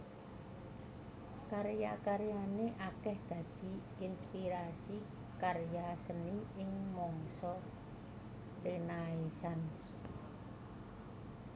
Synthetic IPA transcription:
kaɾjakaɾjaneʔakɛhd̪̥ä̤d̪̥i̤ | ɪnspiɾasi | karjasəniɪŋmɔŋsɔ | rinaisans

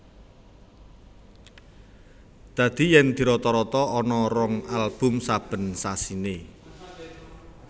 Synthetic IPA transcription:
d̪̥ä̤d̪̥i̤jɛnd̪̥i̤ɾɔt̪ɔɾɔt̪ɔːnɔɾɔŋalb̥ʊ̤msab̥ə̤nsasine

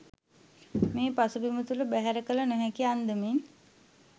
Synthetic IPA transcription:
meːpasubimət̪uləbæɦæɾəkələnoɦɛkiand̪əmin

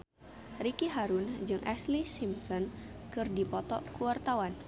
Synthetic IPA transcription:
ɾikiɦaɾund͡ʒɨŋʔɛslisimsɔnkɨrdipɔt̪ɔkuwart̪awan

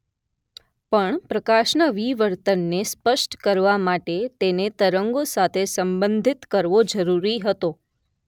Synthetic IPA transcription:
pəɳpɾəkaʃnaʋiʋəɾt̪ənːespəʃʈkəɾʋamaʈet̪enet̪əɾəŋɡosat̪ʰesəmbənd̪ʱit̪kəɾʋod͡ʒəɾuɾiɦət̪o

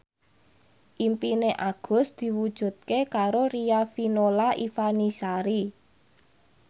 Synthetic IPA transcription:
ʔimpineʔaɡ̥ʊ̤sd̪̥i̤wud̥ʒ̥ṳt̪̚kekaɾoɾijafinolaʔifanisaɾi

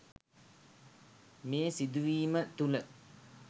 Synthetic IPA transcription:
meːsid̪uʋiːmət̪ulə

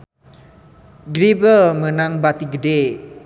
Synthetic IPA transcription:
ɡɾibəlmə̃nãŋbat̪iɡəde

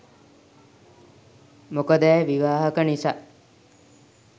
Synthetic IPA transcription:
mokəd̪ɛːʋiʋaːɦəkənisa

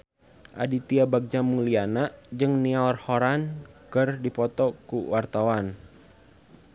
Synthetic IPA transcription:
ʔa̰dit̪iabak̚d͡ʒamulianaʔd͡ʒɨŋniarhɔɾankərdipɔt̪ɔkuwart̪awan

